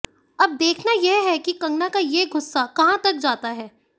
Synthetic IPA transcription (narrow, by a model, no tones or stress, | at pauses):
ɐb̚d̪eːkʰnajeɦɛkikɐ̃ŋɡnakajeɡʊsːakɐɦãt̪ɐk̚d͡ʒaːt̪aɦɛː